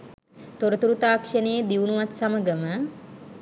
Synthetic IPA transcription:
t̪oɾət̪uɾut̪aːkʂənejːd̪iʋunuʋat̪saməɡəmə

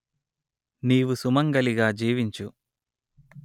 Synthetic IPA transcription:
niːʋusumɐŋɡɐliɡaːd͡ʒiːʋiɲt͡ʃu

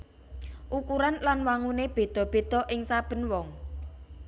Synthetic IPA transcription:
ʔukuɾanlanwaŋuneb̥e̤d̪̥ɔ̤b̥e̤d̪̥ɔ̤ʔɪŋsab̥ə̤nwɔŋ

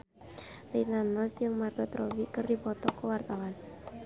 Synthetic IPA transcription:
rinanɔsd͡ʒɨŋmarɡɔt̪ɾowikərdipɔt̪ɔkowart̪awan

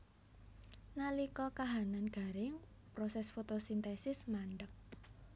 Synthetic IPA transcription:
nalikɔkaɦananɡ̥a̤ɾɪŋ | pɾosɛsfot̪osint̪ɛsɪsmaɳɖək̚

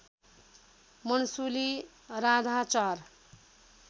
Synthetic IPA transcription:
mʌnsuli | rad̪ʱat͡sar

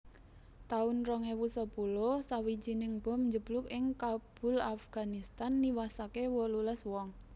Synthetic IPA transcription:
t̪aʊnrɔŋewusəpulosawid̥d͡ʒ̥inɪŋb̥ɔ̤mɲd͡ʒəb̥lʊkɪŋkab̥ʊ̤lafɡ̥a̤nist̪anːiwasakewɔluləswɔŋ

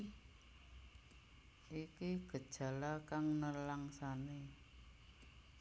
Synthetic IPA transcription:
ikiɡ̥ə̤d̥ʒ̥ä̤lakaŋnəlaŋsane

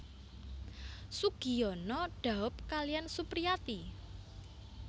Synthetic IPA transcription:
suɡ̥i̤jɔnɔɖ̥a̤ʊp̚kalijansupɾiat̪i

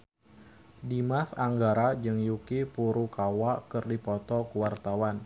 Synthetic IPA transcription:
dimasaŋɡaɾad͡ʒɨŋjukipuɾukawakɨrdipɔt̪ɔkəwart̪awan

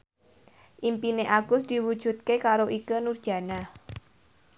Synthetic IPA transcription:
ʔimpineʔaɡ̥ʊsd̪̥i̤wud̥ʒ̥ṳt̪̚kekaɾoʔikənurd̥ʒ̥ä̤na

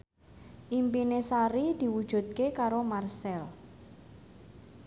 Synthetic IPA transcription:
ʔimpinesaɾid̪̥i̤wud̥ʒ̥ṳt̪̚kekaɾomarsɛl

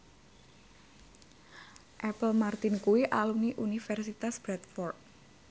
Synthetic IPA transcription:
ʔɛpəlmart̪inkuiʔaluniʔunifɛrsit̪asb̥ɾɛt̪̚fɔrt̪̚

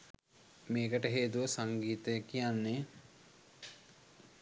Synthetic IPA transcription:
meːkəʈəɦeːt̪uʋəsaŋɡiːt̪əjəkijanːe

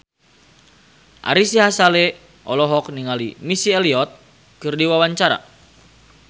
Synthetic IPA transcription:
ʔa̰ɾisiɦasalɛ | ʔɔlɔɦɔk̚niŋalimisiɛliɔt̪̚ | kɨrdiwawaɲt͡ʃaɾa̰

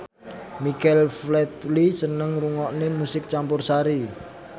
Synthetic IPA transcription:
mikɛlflɛt̪lisənəŋruŋɔʔnemusɪk̚t͡ʃampʊrsaɾi

